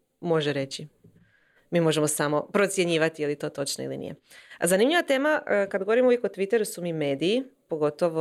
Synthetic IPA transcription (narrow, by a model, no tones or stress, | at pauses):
mo̞ʒeɾe̞t͡ɕi | miːmo̞ʒe̞mo̞samo̞pɾo̞t̪sje̞ɲiːʋat̪ijelit̪o̞ːt̪o̞t͡ʃnoḭlḭnḭjḛzanimʎʲiʋat̪e̞ːmakad̪ɡooɾimuʋjekot̪ʋit̪e̞ɾusumime̞ːd̪iːpo̞ɡo̞t̪oʋo